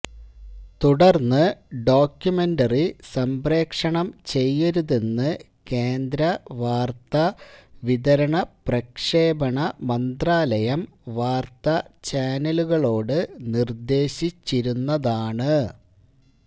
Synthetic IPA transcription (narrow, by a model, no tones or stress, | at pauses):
t̪uɽɐrnːɨɖo̞ːkjume̞ndɐrisɐmbre̞ːkʂɐɳɐmt͡ɕe̞jːɐɾuðenːɨ | ke̞ːnd̪ɾɐʋaːrt̪ɐʋiðɐɾɐɳɐprɐkʂe̞ːbɐɳɐmɐnd̪raːlɐjɐm | ʋaːrt̪ɐt͡ɕaːnɐluɣɐɭo̞ːɽɨnird̪e̞ːɕit͡ɕːiɾunːɐðaːɳɨ